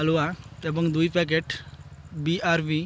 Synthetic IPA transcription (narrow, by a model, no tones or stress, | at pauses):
aluat̪eːbə̃ŋɡd̪uipɛːk̬eːʈ | biʔaːɾʋi